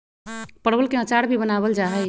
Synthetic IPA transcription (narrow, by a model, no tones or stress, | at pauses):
pəɽbəlkeət͡ʃaɽbʱibənaβəld͡ʒaɦɛ